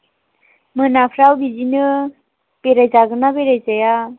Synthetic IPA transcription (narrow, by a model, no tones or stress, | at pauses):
mɯnapʰɾawbid͡ʒinɯ | peɾajzaɡɯnabeɾajzaja